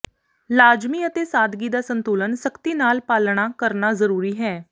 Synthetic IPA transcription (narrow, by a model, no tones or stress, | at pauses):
laːd͡ʒmiːət̪eːsaːd̪ɡiːd̪aːsənt̪oːlənsəkt̪iːnaːlpaːlɽ̃aːkəɾnaːzəɾuːɾiːɦɛː